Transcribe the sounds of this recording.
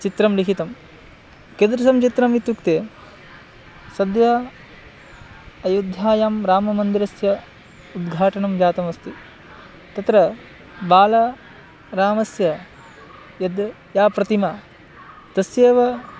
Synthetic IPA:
t͡ʃit̪ɾɐmlikʰit̪ɐm | ked̪ɾɐsɐmt͡ʃit̪ɾɐmit̪ːukt̪eː | sɐd̪jɐ | ɐjud̪ʱjaːjaːmɾaːmɐmɐnd̪iɾɐsjɐ | ud̪ɡʱaːʈɐɳɐmd͡ʒaːt̪ɐmɐst̪i | t̪ɐt̪ɾɐ | baːlɐ | ɾaːmɐsjɐ | jɐd̪ | jaːpɾɐt̪imɐ | t̪ɐsjeːʋɐ

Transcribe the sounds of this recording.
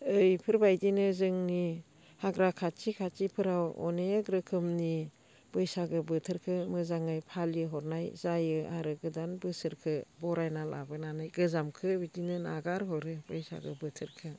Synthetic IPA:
ɯjpʰɯɾbajdinɯzɯŋni | haɡɾakʰat͡ʃikʰat͡ʃipʰɯɾawɔ̰neɡɾɯkʰɯmni | b̥ɯjsaɡɯbɯtʰɯɾkʰɯmɯzaŋɯjpʰaljɯɦɔɾnajzajɯaɾɯɡɯdanbɯsɯɾkʰɯbɔɾajnalʔa̰bɯnanajɡɯzamkʰɯbidinɯnaɡaɾɦɔɾɯbɯjsa̰ɡɯbɯtʰɯɾkʰɯ

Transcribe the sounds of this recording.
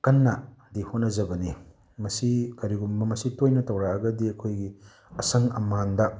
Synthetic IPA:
kɐnːɐdihonɐzɐbɐni | mɐsikɐɾiɡumbɐmɐsitojnɐtɐwɾaɐɡɐdiɐkʰojɡi | ɐsɐŋɐ̰mandɐ

